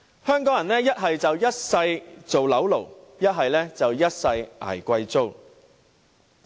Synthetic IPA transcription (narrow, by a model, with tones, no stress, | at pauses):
hœː˥ŋkɔː˨˥ŋjɐ˨˩nɛː˥jɐ˥t̚ɦɐ˨jt͡sɐ˨wjɐ˥t̚sɐ˧jt͡so˨wlɐ˨˥wlo˨˩wjɐ˥t̚ɦɐ˨jlɛː˥t͡sɐ˨wjɐ˥t̚sɐ˧jʔa̰ː˨˩jkʷɐ˧jt͡so˥w